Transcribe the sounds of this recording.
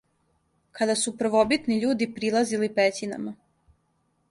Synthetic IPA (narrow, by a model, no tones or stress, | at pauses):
kʰad̪asupɾ̩ʋobit̪niʎuːd̪ipɾilˠazilipet͡ɕina̰ma